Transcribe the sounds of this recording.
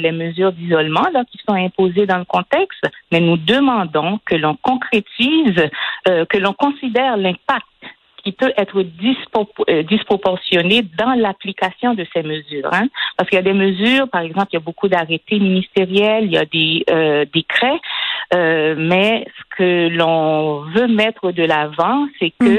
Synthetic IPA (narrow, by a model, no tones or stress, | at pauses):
lɛməzyːʁd̪izɔlmɑ̃lakʲisɔ̃ɛ̃pozed̪ɑ̃ləkɔ̃t̪ɛkst̪mɛnud̪əmɑ̃d̪ɔ̃kəlɔ̃kɔ̃kχet̪iz | kəlɔ̃kɔ̃sid̪ɛʁlɛ̃pak̚t̪ | kʰʲipøʔɛt̪χəd̪ispd̪ispχɔpɔʁsjɔned̪ɑ̃laplikasjɔ̃d̪əsɛməzyːʁɛ̃paʁsəkiljad̪ɛməzyːʁpaʁɛɡzɑ̃plijabokud̪aʁet̪eminist̪eʁjɛlija̰d̪ɛød̪ekʁɛømɛsə̥kʰəlɔ̃vømɛt̪χəd̪əlavɑ̃sɛkə